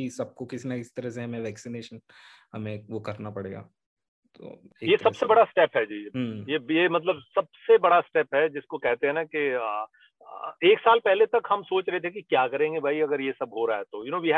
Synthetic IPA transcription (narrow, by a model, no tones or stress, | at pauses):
isɐb̚kokɪsnakɪst̪ɐɾɐseɦɐmẽʋɛːksineːʃən | hɐmẽʋokɐɾnapɐɽeːɡa̰ː | t̪o̰ːejesɐbsebɐɽasʈɛːpɦɛd͡ʒiːɦjejemɐt̪ləbsɐb̚sebɐɽasʈɛːpɦɛd͡ʒɪskokɛɦt̪eɦɛ̃nakiə | eːksaːlpɛɦlet̪ɐkhɐmsoːt͡ʃɾɐɦet̪ʰekikjaːkɐɾẽːŋɡebʱaːiɐɡəɾjesɐbɦoɾaaɦɛt̪ojʊnõːʋiɦ